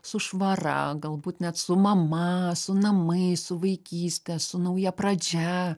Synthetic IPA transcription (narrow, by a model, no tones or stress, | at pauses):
sʊʃʋɐɾɐ̰ɡɐlˠbuːt̪nʲɛt̪sʊmɐmɐsʊnɐmɐɪsʊʋɐɪkʲiːsʲt̪ʲɛsʊnɐʊjɛpɾɐd͡ʒʲæ